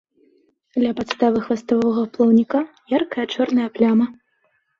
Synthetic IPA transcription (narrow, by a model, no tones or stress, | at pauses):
d̪lʲɐpat̪st̪avɨxvast̪ɔvɔɣɐplˠɔwnʲika | jarkɐjɐt͡ʂɔrnɐjɐplʲamɐ